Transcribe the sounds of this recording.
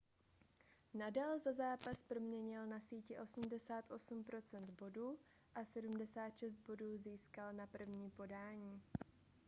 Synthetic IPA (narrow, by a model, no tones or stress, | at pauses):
nadaːlzazaːpaspɾo̞mɲɛɲɪlnasiːcɪʔo̞sumdɛsaːt̪ʔo̞sumpɾo̞t͡sɛnd̪bo̞duː | ʔasɛdumdɛsaːt̪ʃɛst̪̚bo̞duːziːskalnapr̩vɲiːpo̞daːɲiː